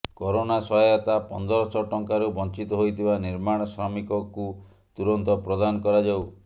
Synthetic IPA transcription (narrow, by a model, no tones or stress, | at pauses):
kɔɾonasɔjɔt̪apɔnd̪ɔɾɔsɔʈɔŋkaɾubɔnt͡ʃit̪ɔɦojt̪ʰibaniɾmaɽ̃ɔsɾamikɔku | t̪uɾɔnt̪ɔpɾɔd̪anɔkɔɾad͡ʒaw